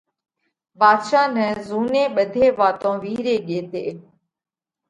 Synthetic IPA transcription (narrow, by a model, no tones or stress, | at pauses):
baːd̪ʃaːnə̃ːzuːnẽːɓəd̪ʱeːʋaːt̪õːʋiːɾeːɠeːt̪eː